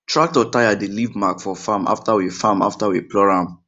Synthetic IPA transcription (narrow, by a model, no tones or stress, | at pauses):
tɹak̚tɔtajadelivmakfɔfãmʔa̰ftawefãma̰ftaweplɔɹãm